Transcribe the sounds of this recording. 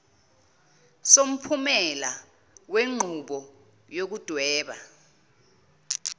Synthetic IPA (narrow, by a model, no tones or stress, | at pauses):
som̩pʰumɛla | weŋ͡ǃʱuɓɔ | jok̬ud̥ʱwɛːɓa̰